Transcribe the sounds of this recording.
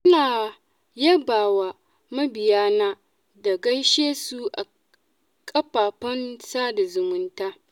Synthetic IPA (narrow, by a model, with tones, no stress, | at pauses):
ʔɪ˦naː˨ | jɐ˦baː˨wa˨ | mɐ˦bɪ˨jaː˦naː˦ | da˨ɡɐ˦jʃeː˦su˦ʔa˨ | kʼɐ˦ɸaː˨ɸɐ˦nsaː˦da˨zʊ˨mʊ˦ntaː˦